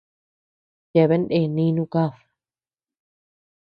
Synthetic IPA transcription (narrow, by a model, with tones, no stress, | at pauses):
je˧˨βe˦nd̪e˧˨nĩ˦˧nũ˦˧ka˦˧ɸ